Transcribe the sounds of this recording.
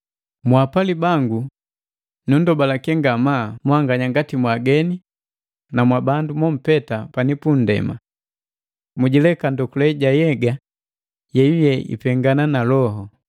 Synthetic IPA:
mwapalibaŋɡu | nundɔbalakɛŋɡamaːmuhaŋɡaɲaŋɡatimwaɡɛni | namwabandumɔm̩pɛtapanipundɛ̰ma̰ | muɟilɛkandɔkulɛɟajɛɡa | jɛjujɛḭpɛŋɡananalɔɦɔ

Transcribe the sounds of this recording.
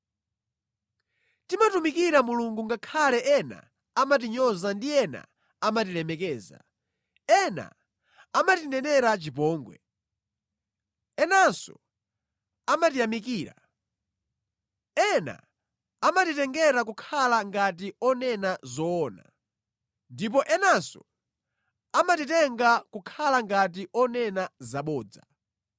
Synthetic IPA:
timatumikiɾamuluŋɡuŋɡakʰalɛʔɛna̰ː | mat̬iɲɔzandiɛna̰ | amat̬ilɛmɛkɛːza̰ | ɛna̰ | amatinɛnɛɾat͡ʃipɔːŋɡwɛ̰ | ɛnansɔ̰ | amatijamik̬iːɾa̰ | ɛna̰ | amatitɛŋɡɛɾak̬ukʰalaŋɡat̬iɔnɛnazɔːna̰ | ndip̬ɔʔɛnasɔ̰ | amatitɛŋɡakukʰalaŋɡat̬iʔɔnɛnazaɓɔːd͡za̰

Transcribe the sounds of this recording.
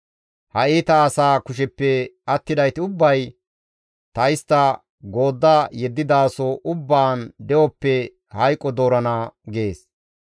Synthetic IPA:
hɐiːt̪ɐːsaːkʊʃ̬ɛpːɛɐt̪ːɪd̪ɐjt̪ɪʊbːɐj | t̪ɐjɪst̪ːɐ | ɡo̞ːd̪ːajɛd̪ːɪd̪aːsɔʔʊbːaːnd̪ɛwɔpːɛ | hɐjkʼːɔd̪o̞ːɾɐnaɡe̞ːs

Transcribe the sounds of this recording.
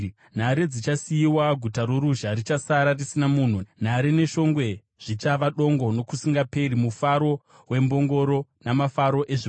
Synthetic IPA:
n̤aɾed͡zit͡ʃasijiwaɡʱutaɾoɾuʒarit͡ʃasaɾarisinamun̤un̤aɾene̞ʃo̞ŋɡwe̞ | ʐ̥it͡ʃaʋaɗo̞ŋɡo̞no̞kusiŋɡape̞ɾimufaɾo̞ | we̞mbo̞ŋɡo̞ɾo̞namafaɾo̞ʔe̞ʐi

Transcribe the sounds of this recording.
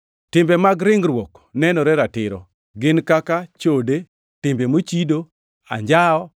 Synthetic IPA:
tɪmbɛmaɡɾɪŋɾwok | nɛnɔɾɛɾatɪɾɔ̰ | ɡɪnkakat͡ʃode | tɪmbemot͡ʃido | a̰ɲd͡ʒaɔ

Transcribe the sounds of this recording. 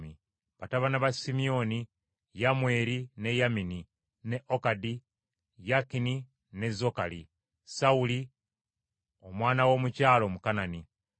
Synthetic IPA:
mi | βataβanaβasimio̞ni | jamwe̞ːɾine̞jamini | ne̞ʔokadi | jakini | ne̞zo̞kalḭ | sauli | omwaːnawo̞ːmucaːlo̞mukanani

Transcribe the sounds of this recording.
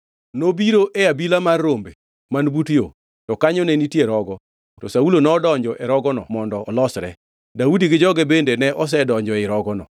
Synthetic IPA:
nobiɾoʔeabilamarːombe | manbutjo̰ | tɔkaɲɔnenitjeɾɔɡɔ | tɔsaulonɔːdɔɲd͡ʒɔʔeɾɔɡɔnɔ̰mɔndɔːlɔsɾɛ̰ | daudiɡɪd͡ʒɔɡɛbendenɛʔɔs̬ɛdɔɲd͡ʒɔɪɾɔɡɔnɔ̰

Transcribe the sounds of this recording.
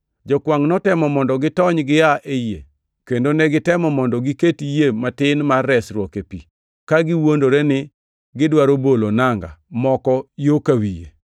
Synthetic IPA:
d͡ʒɔkwaŋnɔtɛmɔmɔndɔɡɪtɔɲɡɪjaʔejḛ | kendonɛɡɪtɛmɔmɔndɔɡiketijematɪnmarːɛsɾwɔkepḭ | kaɡɪwondoɾɛnɪ | ɡɪdwaɾobolonaŋɡa̰mɔkɔjokawijḛ

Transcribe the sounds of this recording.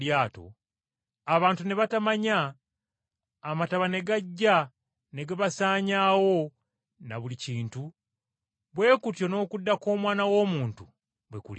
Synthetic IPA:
jaːto̞̰ | aβaːntune̞βatamaɲa | mataβane̞ɡaɟːa | ne̞ɡaβasaːɲaːwo̞ | naβuliciːntu | βwe̞ːkutjo̞no̞ːkudːako̞ːmwaːnawo̞ːmuːntu | βwekṵl

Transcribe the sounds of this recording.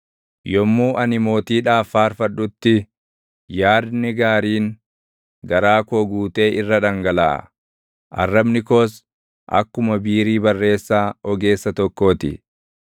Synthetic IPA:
jɔmːuːʔɐnɪmo̞ːt̪iːᶑaːfːaːɾfɐᶑʊt̪ːɪ | jaːd̪nɪɡaːɾiːŋ | ɡɐɾaːkoːɡuːt̪e̞ːʔɪrːɐᶑɐŋɡɐla̰ː | ʔɐ̰rːɐbnɪkoːs | ʔɐ̰kːʊmɐbiːɾiːbɐrːe̞ːsːaːɔɡe̞ːsːɐt̪ɔkːo̞ːt̪ɪ̰

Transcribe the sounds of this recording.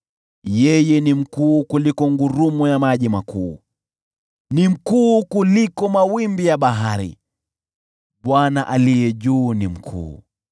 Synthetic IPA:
jɛjɛnim̩kuːkulikɔŋɡuɾumujamaʄimakuː | nim̩kuːkulikɔmawimbijaɓaɦaɾḭ | ɓwanaʔalijɛʄuːnim̩kʰṵː

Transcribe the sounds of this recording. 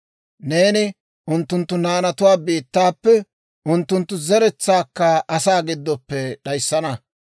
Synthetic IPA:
ne̞ːnɪ | ʔʊnt̪ːʊnt̪ːʊnaːnɐt̪ʊwaːbiːt̪ːaːpːɛ | ʔʊnt̪ːʊnt̪ːʊzɛɾɛt͡sːaːkːɐʔɐsaːɡɪd̪ːɔpːɛɗɐjsːɐnɐ

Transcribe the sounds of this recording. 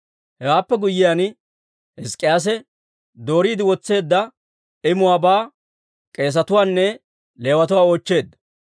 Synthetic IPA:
hɛwaːpːɛɡʊjːɪjan | ɪskʼːɪjaːs̬ɛ | d̪o̞ːɾiːd̪ɪwɔt͡sːe̞ːd̪ːɐ | ɪmʊwaːbaː | kʼe̞ːs̬ɐt̪ʊwaːnːɛ | le̞ːwɐt̪ʊwaːoːt͡ʃːe̞ːd̪ɐ

